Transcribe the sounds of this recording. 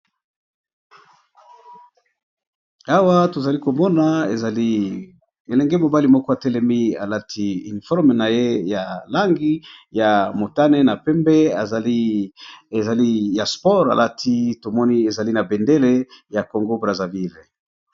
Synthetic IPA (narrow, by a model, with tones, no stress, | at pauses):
a˦wa˦to˨za˨li˦ko˨mɔ˦na˨ḛ˨za˨li˦ | e˨lɛ˨ŋɡɛ˦mo˨ba˦li˨mɔ˦kɔ˦a˨tɛ˦lɛ˦mi˦a̰˨la˦tʰi˦y˨ni˨fɔ˦ʁme˨na˨je˦ja˨la˦ŋɡi˦ja˨mo˨ta˦nɛ˦na˨pɛ˦mbɛ˦a˨ | e˨za˨li˦ja˨spɔ˦ʁa̰˨lʔa˦tʰi˦to˨mɔ˦ni˦e˨za˨li˦na˨be˨nde˦le˦ja˨ko˨ŋɡo˦bʁa˨za˨vi˦˨l